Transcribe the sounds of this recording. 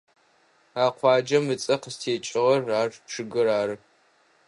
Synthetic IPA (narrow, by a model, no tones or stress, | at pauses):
aːqʷʰɑːd͡ʒɐmɨt͡sʼɐqəstʰeːt͡ʃʼɪʁɐrːaːrʈ͡ʂʰɨɡɨɾaːɾɨ